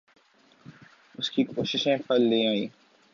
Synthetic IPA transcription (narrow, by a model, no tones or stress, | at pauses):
ʊskikoːʃɪʃẽpɐlːeaːiː